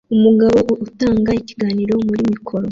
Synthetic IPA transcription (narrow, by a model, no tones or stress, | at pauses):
umuɡaβo̞ʔutaːŋɡaici̥ɡaːniːɾo̞muɾimikʰo̞ɾo̞